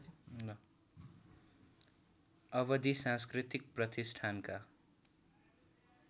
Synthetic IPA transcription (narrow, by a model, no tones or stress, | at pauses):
ʌβʌd̪isãskrit̪ik̚prʌt̪isʈʰanka